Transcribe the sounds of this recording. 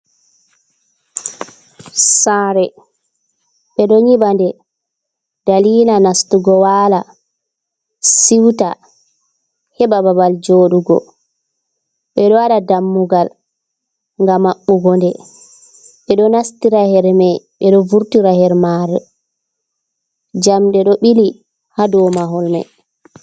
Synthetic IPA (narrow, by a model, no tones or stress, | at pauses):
saːɾɛ | ɓɛɗɔɲiɓandɛ | d̥aliːlanastuɡɔwaːla | siwta | hɛbababald͡ʒoːɗuɡɔ̰ | ɓɛɗɔwaɗadamːuɡal | ŋɡamːaɓːuɡɔndɛ | ɓɛɗɔnastiɾahɛɾmɛjɓɛɗɔvuɾtiɾahɛɾmaɾɛ | d͡ʒamɗɛɗɔɓili | hadɔmaɦɔlmɛ̰j